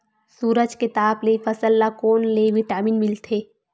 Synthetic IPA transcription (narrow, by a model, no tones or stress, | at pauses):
suːɾəd͡ʒket̪aːblefʰəsəlːakoːnleʋɪʈaːmiːnmɪlt̪ʰeː